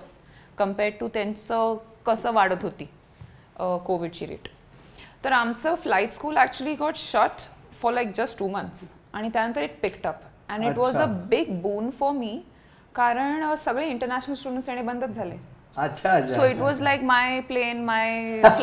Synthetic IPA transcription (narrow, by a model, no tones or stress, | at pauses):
s | kəmpɛɾɖ̚ʈut̪ãnt͡səkəsəʋaɽət̪ɦot̪iː | əkoʋiɖt͡ɕiːɾḛʈ | t̪əɾamt͡səflajʈskuːlæk̚t͡ɕuəliɡɔʈʃɔʈfɔɾlajk̚d͡ʑəsʈːuːmə̃nt̪s | aɽ̃it̪jãnənt̪əɾɪʈ̚pɪkʈəp | ɛ̃ɳiʈʋɔzəbɪɡbũːnfɔɾmiː | kaɾəɳsəɡɭeɪɳʈəɾnæɕnəlsʈuɖə̃ɳʈsjaɽ̃ibənd̪ʱət̪̚d͡zʱalẽ | ət͡ɕʰasoiʈʋɔzlajkmajplenmaj